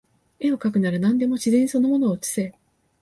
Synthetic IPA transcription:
e̞o̞kak̬ɯ̟naɾɯ̟nãnd̪e̞mo̞ɕizẽ̞ɲ̟iso̞no̞mo̞no̞ːt͡ɕi̥se

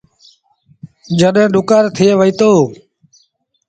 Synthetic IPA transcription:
d͡ʒəɗɦẽːɗʊkaːɾt̪ʰɪeːʋəiːt̪oː

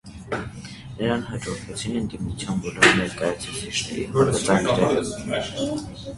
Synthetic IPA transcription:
nəɾɑnɦɑd͡ʒɔɾvʰɛt͡sʰinənd̪imut͡sʰjɑnbɔlumnɛɾkɑjɑt͡sʰut͡sʰit͡ʃʰnɛ̰ɾḭvɔɾvət̪ɑŋkʰnɛɾɛ

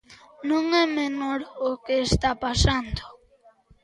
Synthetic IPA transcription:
nõŋɛmenoɾokeːst̪apasand̪o̥

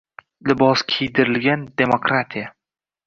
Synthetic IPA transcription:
lɪbɒskʲʰejd̪ɪɾɪlɡʲand̪e̞mokɾat̪ʰija

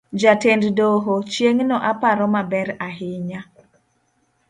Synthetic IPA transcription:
d͡ʒatenddoɦot͡ʃjeŋnɔʔapaɾɔmabɛɾaɦɪɲa

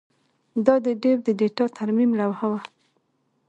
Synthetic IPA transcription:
d̪ɑd̪əɖewd̪əɖeʈɑt̪ʰaɾmimlawhawa

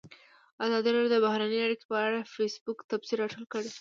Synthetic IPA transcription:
azɑd̪iɾadjod̪əbahɾanəjaɽike̥pəaɽafesbukt̪absiɾaʈəlkəɽe

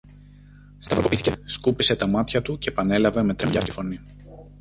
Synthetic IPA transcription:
st̪ɐfɾokopiθiceskupise̞t̪ɐmɐt̪çɐt̪uce̞pɐne̞lɐveme̞t̪ɾemʎɐft̪i̥fo̞ni

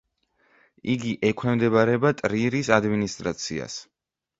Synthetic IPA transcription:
iɡiʔɛkʰwɛmd̪ɛbaɾɛbat̪ʼɾiɾisad̪minist̪ʼɾat̪sʰḭa̰s

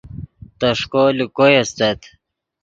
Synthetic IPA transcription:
t̪ɐʂkolikojɐst̪et̪

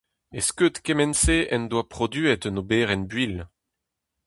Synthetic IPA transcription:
eskøt̪kɛmɛnseʔɛnd̪wapχɔd̪ɥyɛt̪ənobeːʁɛnbɥil

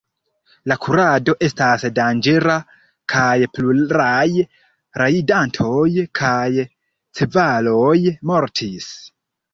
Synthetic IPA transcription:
lakʰuɾado̞ʔe̞stasdand͡ʒe̞ɾa | kʰajpluɾaj | ɾʔaidantʰo̞jkʰaj | t͡se̞valo̞jmo̞ɾtʰis

